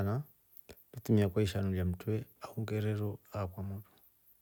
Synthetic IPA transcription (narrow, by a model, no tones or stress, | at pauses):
na | tutumiakwaiʃanuljam̩twɛahuŋɡɛɾɛɾɔakwamutu̥